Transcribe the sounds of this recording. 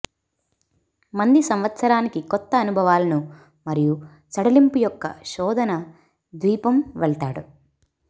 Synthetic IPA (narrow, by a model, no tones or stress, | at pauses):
mɐnd̪isɐmʋɐt̪sɐɾaːnikikɔt̪ːɐːnubʱɐʋaːlɐnu | mɐɾiju | t͡ʃɐɽɐlimpujɔkːɐ̰ʃɔːd̪ʱɐnɐ | d̪ʋiːpɐmʋɛɭt̪aːɽu